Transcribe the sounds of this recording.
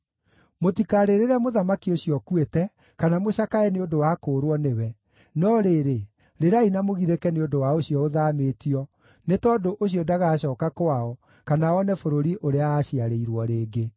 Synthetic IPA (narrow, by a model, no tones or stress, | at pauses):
motikaɾeɾeɾamoðamakioɕiɔkuwetɛ | kanamoɕakaɛneondowakoːɾwɔnewɛ | nɔɾeːɾe | ɾeɾainamoɣiɾekɛneodowaoɕiɔoðametiɔ | netɔːdoʔoɕiɔdaɣaɕɔːkakwaɔ | kanaɔnɛfoɾoɾiʔoɾeaaɕiaɾeiɾwɔɾeːɡe